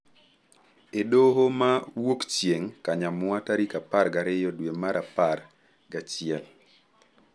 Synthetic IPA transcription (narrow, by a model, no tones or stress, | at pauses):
edoɦomawokt͡ʃjeŋkaɲamwataɾikaparɡaɾɪjɔdwemaɾʔapar | ɡat͡ʃɪɛl